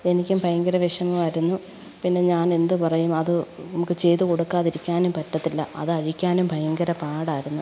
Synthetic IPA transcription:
e̞nikʲːumbʱɐjɐŋɡɐɾɐʋeʂɐmumaːjiɾunːu | pinːe̞ɲaːne̞nd̪ɨpɐrɐjumɐðɨnnɐmukːɨt͡ɕe̞jt̪uko̞ɽukːaːðiɾikʲːaːnumpɐtːɐt̪ːilːɐɐ̰ðɨɐɻikʲːaːnumbʱɐjɐŋɡɐɾɐpaːɽaːjiɾunːu

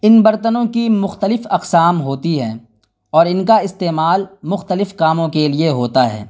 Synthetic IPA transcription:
ɪnbɐɾt̪ənõkimʊxt̪əlɪfɐqsaːmɦoːt̪iɦɛ̃ː | ɔːɾɪnkaɪst̪eːmaːlmʊxt̪əlɪfkaːmõkelieɦoːt̪aɦɛ̰ː

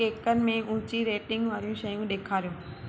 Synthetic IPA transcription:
eːkənɪ̆mẽʔʊ̃ːt͡ɕiɾeːʈɪ̃ŋɡʋaːɾijũʃɐjũɗeːkʰaːɾjũː

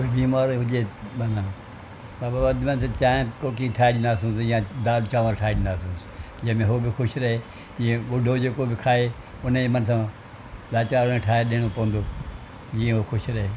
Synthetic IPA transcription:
koibiːmaːɾoɦʊd͡ʒeːmanãː | baːbaːəd̪mənset͡ʃaːẽkoːkiːʈʰaːɗiːnaːsũːsjãːd̪aːd̪t͡ʃãːʋaːɾʈʰaːɗiːnaːsũːs | d͡ʒemẽːɦoːbɪxʰʊʃɾəɦeː | d͡ʒiẽɡʊɖʱoːd͡ʒeːkoːbɪkʰaːeː | ʊnẽmənsãː | laːt͡ʃaːɾonẽːʈʰaːeːɗeːɽ̃oːpəʋə̃nd̪oː | d͡ʒiːẽɦoːxʰʊʃɾəɦeː

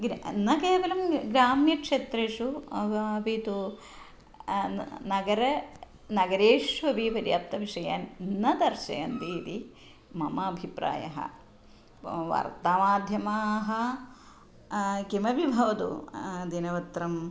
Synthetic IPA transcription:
ɡɾnɐkeːʋɐlɐmɡɾaːmjɐkʂeːt̪ɾeːʂu | ʋit̪u | nɐɡɐɾɐ | nɐɡɐɾeːʂʋɐbʱiʋɐɾja̰p̚t̪ɐʋiʂɐja̰ːnnɐd̪ɐɾʃɐ̰jɐnd̪iːt̪i | mɐmɐːbʱipɾa̰ːjɐ̰ɦɐ̰ | ʋa̰ːɾt̪aːmaːd̪ʱjɐmaːɦɐ | kimɐbibʱɐʋɐt̪ṵd̪inɐʋɐt̪ɾɐm

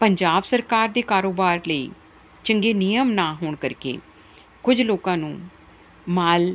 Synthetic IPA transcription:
pəɲd͡ʒaːbsəɾkaːɾd̪eːkaːɾoːbaːɾləḭː | t͡ʃəŋɡeːnɪjəmnaːɦoːɳkəɾkḛː | kʊd͡ʒloːkãːnũː | maːl

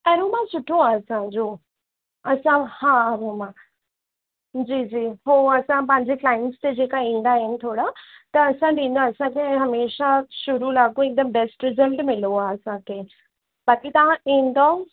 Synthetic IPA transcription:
ɐɾomãsʊʈʰoaːɐsãd͡ʑoː | ɐsãhãːɾomã | d͡ʑiːd͡ʑiːɦoːɐsãpɐ̃ɦɪ̃ɲd͡ʑeklaːɪɳʈst̪ed͡ʑeːkaĩːnd̪aɦɪnɪ̆t̪ʰoːɽat̪ɐːsãɖĩːn̆d̪oɐsãkʰeɦɐmeːʃaʃʊɾulaɡõɪk̚d̪əmbɛsʈɾɪzəlʈmɪloaɐsãkʰeː | bɐkit̪ɐʋ̤ãʔĩːn̆d̪o

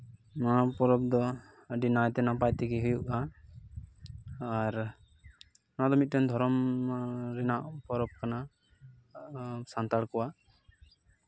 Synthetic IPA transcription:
napɔɾɔb̚d̪ɔ | əɖinajt̪ɛnapajt̪ɛkɛɦujuʔa | aɾ | nad̪ɔmit̪̚ʈɛnd̪ʱɔɾɔm | ɾɛnaʔpɔɾɔb̚kana | sant̪aɽkɔwaʔ

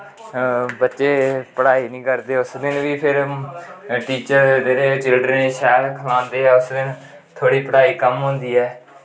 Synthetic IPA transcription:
bətːʃeːpəɽaːiːnĩːkəɾd̪eːʊsd̪ɪnʋiːpʰɪɾ | ʈiːt͡ʃəɾd̪eːɾeːt͡ʃɪlɖɾəneːʃɛːlkʰəlãːnd̪eːɛːʊsd̪ɪn | t̪ʰoːɽiːpəɽaːiːkəmɦõːnd̪iːɛː

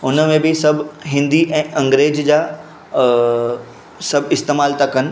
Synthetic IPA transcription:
ʊnəmẽbɪsɐbʱɦɪ̃nd̪iʔɛ̃ːʔɐ̃ŋɡɾeːd͡ʑd͡ʑaː | sɐbʱɪst̪eːmaːlt̪ɐkənɪ̆

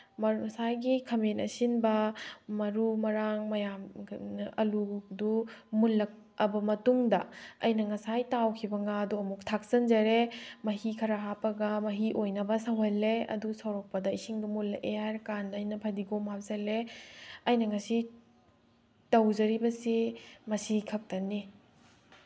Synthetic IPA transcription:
mɐsajɡikʰɐmenɐ̰sinbɐmɐɾumɐɾaŋmɐjam | ɐludumulɐk̚ | ɐbɐmɐtuŋdɐɐ̰jnɐŋɐsajtawkʰibɐŋaduɐmuk̚tʰak̚sɐnzɐɾemɐɦikʰɐɾaɦapɐɡɐmɐɦiʔojnɐbɐsɐwɦelːeɐ̰dusɐwɾɔk̚pɐdɐisiŋdumulɐʔeaɾkandɐːjnɐpʰɐdiɡomap̚sɐleɐjnɐŋɐsi | tɐwzɐɾibɐsimɐsikʰɐk̚tɐni

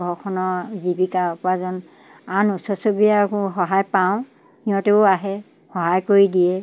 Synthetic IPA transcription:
ɔkʰɔnɔzibikapazɔn | anusɔsobijakxɔɦajpaʊ̃ | niɔ̃teʊaɦɛ | hɔɦajkoɹidijɛ

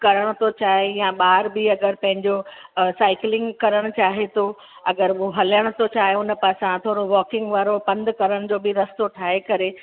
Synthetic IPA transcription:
kɐɾəɽ̃ʊ̆t̪ʰot͡ɕaːɦejãɓaːɾbɪɐɡəɾpɐ̃ɦɪ̃ɲd͡ʑosaːɪklɪ̃ŋɡkɐɾəɽ̃ʊ̆t͡ɕaːɦet̪ʰo | ɐɡəɾɦɐləɽ̃ʊ̆t̪ʰot͡ɕaːɦeʊn̆paːsãt̪ʰoːɽoʋɔːkɪ̃ŋɡʋaːɾopɐ̃nd̪kɐɾəɽ̃d͡ʑoːbɪɾɐst̪oʈʰaːɦekɐɾe

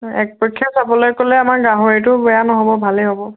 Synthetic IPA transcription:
ɛ̰k̚pɹɔkʰːjasabɔlɔjkolɛamaɹɡaɦɔɹet̬ʊbɛanɔɦɔbɔbʱalɛɦobɔ

